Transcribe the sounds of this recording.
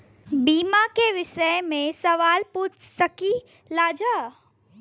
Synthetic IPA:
biːmakeʋɪʃəjmẽsɐʋaːlpuːt͡ʃsɐki | laːd͡ʒa

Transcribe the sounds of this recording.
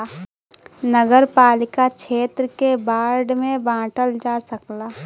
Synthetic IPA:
nəɡəɾpaːlɪkakʃʰeːt̪ɾəkebaːɾɖmẽbãːʈəld͡ʒaːsəklaː

